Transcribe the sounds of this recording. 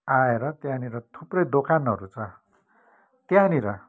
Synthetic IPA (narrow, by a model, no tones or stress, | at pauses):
aeɾʌt̪jãniɾʌt̪ʰuprʌjd̪okanɦʌɾut͡sʰʌ | t̪jãniɾʌ